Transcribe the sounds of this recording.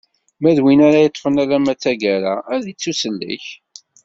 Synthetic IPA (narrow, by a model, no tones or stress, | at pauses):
mæðwinaɾajət̪ˤːfənaɾæmæt͡sːæɡæɾaðit͡sːusəlːḭç